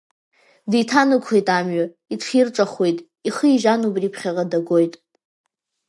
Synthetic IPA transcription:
dijtʰanɨkʷʰχejtʼamɥa | itʰχirʈ͡ʂʼaχwe̞jtʼ | iχəiʒanubripʰχʲaʁadaɡo̞jtʼ

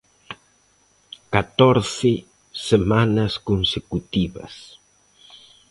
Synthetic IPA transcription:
kat̪ɔɾθɪ | semanɐskonsekut̪iβɐ̰s

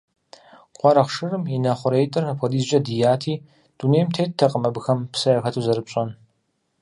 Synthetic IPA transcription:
qʷɑɾɐχʂɨrɨminɐχʷʊɾejtʼɨrɐpʰʷɔdiːzʒʼɐdijaːtʰiː | d̥uneːjmtʰeːt̚tʰɐqʼəmɐbɨxɐmpsɐjɐxɐtʰuzɐɾɨpɕʼɐn

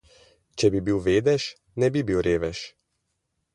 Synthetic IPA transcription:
t͡ʃɛbibiwʋeːd̪ɛʃ | nɛbibiwɾeːʋɛʃ

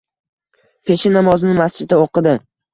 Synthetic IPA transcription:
pʰe̞ʃɪnamɒzɪnɪmast͡ʃɪd̪aoqɨd̪ɪ

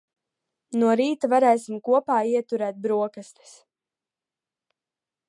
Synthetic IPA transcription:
nuɔɾiːt̪avaɾɛːsimkuɔpaːiɛt̪uɾɛːt̪̚bɾuɔkast̪e̥s

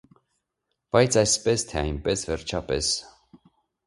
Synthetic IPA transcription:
b̥ɑjt͡sʰɑjspɛst̪ʰɛɑjnpɛsvɛɾt͡ʃʰɑpɛ̰s

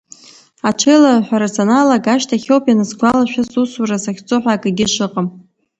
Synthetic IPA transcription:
aʈ͡ʂʰejlaħʷᶣaɾat͡sʰʼonalaɡaʃtʰaχʲowpʼjanɨzɡʷalaʃᶣasusurasaχʲt͡sʼʊħʷᶣakʼɨɡʲɪʂʷɨqʼəm

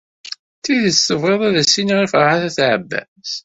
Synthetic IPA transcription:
θiðəstəvʁeðˤæðæsːinʁifəɾˤʕaθæθʕə̰bːæ̰ | z

